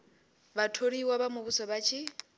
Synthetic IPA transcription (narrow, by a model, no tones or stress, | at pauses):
batʰoɾiwaβamʊβusɔβat͡ʃʰi